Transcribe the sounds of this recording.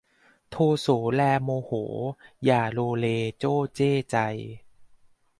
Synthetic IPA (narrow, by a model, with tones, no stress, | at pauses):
t̪ʰoː˧soː˩˦lɛː˧moː˧hoː˩˦jaː˨˩loː˧leː˧t͡ɕoː˥˩t͡ɕeː˥˩t͡ɕa˧j